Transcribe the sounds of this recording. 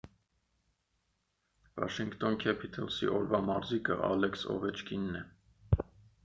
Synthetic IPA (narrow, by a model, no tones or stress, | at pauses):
vɑ̰ʃiŋkt̪ɔnkʰɛpʰit̪ʰəlsḭʔɔɾvɑmɑɾzikə̰ʔɑ̰lɛksɔ̰vɛt͡ʃkʰinːɛ